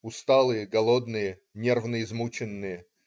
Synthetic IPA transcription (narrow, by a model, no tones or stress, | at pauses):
ʊst̪alˠɨjəɡɐlˠod̪nɨjə | nʲervnəɪzmut͡ɕɪnːɨjə